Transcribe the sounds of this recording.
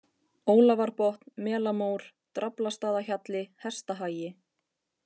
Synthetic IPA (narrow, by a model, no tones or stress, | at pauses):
oːwlavaɾpɔht̪nmɛːlamoːwɾ̥ | t̪ɾaplast̪aːðaçat̪lɪhɛ̥st̪aɦaːjɪ